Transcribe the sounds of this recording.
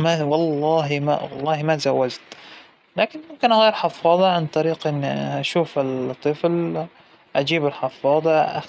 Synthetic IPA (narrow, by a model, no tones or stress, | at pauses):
mæwɑlˤːɑːɦim̰ɑlˤːɑːhimæt̪zawːad͡ʒt̪ | laːkɪnmʊmkɪnʔaɣiːɾħɑfɑːd̪ˤɑʕant̪ˤɑɾiːqʔɪnːiʔaʃuːfɪlt̪ˤːɨfl | ʔad͡ʒiːbɪlħɑfːɑːd̪ˤɑa̰